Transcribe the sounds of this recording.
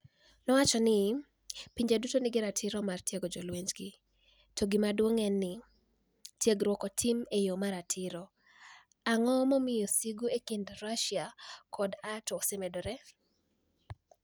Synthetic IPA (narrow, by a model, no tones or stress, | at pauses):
nɔwat͡ʃɔnɪ | piɲd͡ʒedutonɪɡɪɾatʰɪɾɔmartjeɡɔd͡ʒɔlweɲd͡ʒɡɪ | toɡɪmadwoŋɛnːɪ | tjeɡɾwɔkɔtʰimejomaɾatʰɪɾɔ | aŋɔmɔmɪjosiɡuekindɾaʃiakʰɔdatɔsɪmɛdɔɾɛ